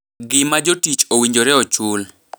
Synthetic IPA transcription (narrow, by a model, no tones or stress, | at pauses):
ɡɪmad͡ʒotit͡ʃowiɲd͡ʒoɾɛɔt͡ʃul